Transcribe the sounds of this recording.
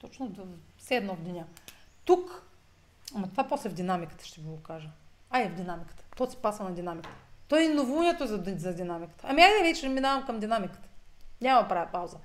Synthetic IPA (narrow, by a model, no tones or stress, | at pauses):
t̪ɔt͡ʃnod̪fsɛɛd̪nɔvd̪ʲɛnʲat̪uk | ɐmɐt̪ovaposlɛvd̪ʲinamikə̥t̪ə̥ʃt̪ɛviɡokaʒəajɛvd̪ʲinamikə̥t̪ə̥t̪ɔsɛ̥pasvənɐd̪ʲinamikə̥t̪ət̪ɔɛnovunʲɛt̪ozzɐd̪ʲinamikə̥t̪əɐmiajɛvɛt͡ʃɛnminavɐmkɐmd̪ʲinamikə̥t̪ə̥nʲamɐpɾavʲɛpawzə